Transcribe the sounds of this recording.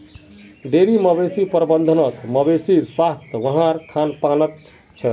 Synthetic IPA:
ɖeɾiməbesipɾbənd̪ʱənək̪məbesiswast̪ʰʋəɦãɾkʰanpanət̪ | t͡ʃʰə

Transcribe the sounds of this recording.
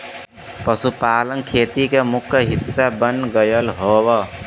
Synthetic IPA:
pəsupaːlənkʰeːt̪ikemʊkʰəɦisːabənɡəjəlɦobʌ

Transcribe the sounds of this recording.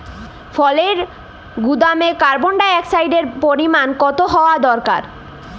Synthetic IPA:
fʰɔleɾ | ɡud̪amekaɾboɳɖaɛksajɖeɾpoɾimankɔt̪oɦɔoad̪ɔɾka̰ɾ

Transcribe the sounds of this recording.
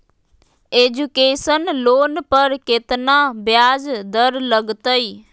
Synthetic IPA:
eːd͡ʒukeːsənloːnpəɾkɪt̪nabjaːd͡ʒd̪əɾləɡt̪əiː

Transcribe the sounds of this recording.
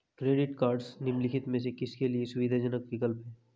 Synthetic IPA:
kɾeːɖɪʈkaːɾɖsnɪmlɪkʰɪt̪mẽsekɪskeliesʊʋid̪ʱad͡ʒənəkʋɪkəlpɦɛː

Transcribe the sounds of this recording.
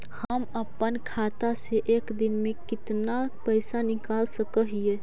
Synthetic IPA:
həməpːənkʰaːt̪aseʔeːkd̪ɪnmẽkɪt̪napəɪsanɪkaːlsəkəɦieː

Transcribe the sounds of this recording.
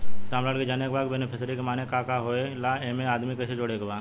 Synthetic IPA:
ʈaːmlaːɖked͡ʒaːnekbaːɡbenepʰɪsɾikemaːnekakaɦoːelaeːmẽaːd̪mikɛːsed͡ʒoːɽeɡbaː

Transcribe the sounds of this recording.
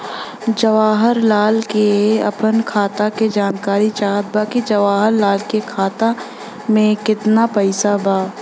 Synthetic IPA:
d͡ʒɐʋaːɦəɾlaːlkeɐ̰pənkʰaːt̪aked͡ʒaːnkaːɾit͡ʃaːt̪̚baːkid͡ʒɐʋaːɦəɾlaːlkekʰaːt̪a | mẽkɪt̪napəɪsabaː

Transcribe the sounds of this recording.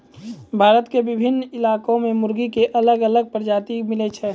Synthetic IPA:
bʱaːɾət̪kebɪbʱɪnːɪlaːkõmẽmʊɾɡikeʔɐləɡələɡ̚pɾd͡ʒaːt̪imɪlɛt͡ʃʰɛː

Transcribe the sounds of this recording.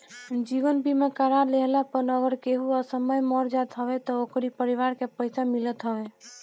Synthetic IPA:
d͡ʒibənbimekəɾaɾleɦlapənəɡəɾkeɦuasəməjmɔɾd͡ʒat̪ɦəbɛt̪ɔokɾipəɾiʋaɾkepəjsamilət̪ɦəbɛ

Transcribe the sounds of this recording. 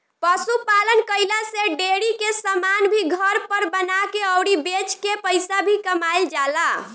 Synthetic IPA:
pəsupalənkəɪlaseɖeɽikesəmanbʱiɡʱəɾpəɾbənakeəʊɽibet͡ʃkepəɪsabʱikəmajld͡ʒala

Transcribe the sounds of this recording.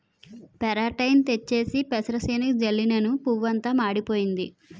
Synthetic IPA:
pɛɾaːʈɐjnt̪et͡ʃːe̞ːsipɛsɐɾɐsɐːnɐkd͡ʒɐlːinɐnupuʋːɐnt̪ɐmaːɽipoːjind̪ḭ

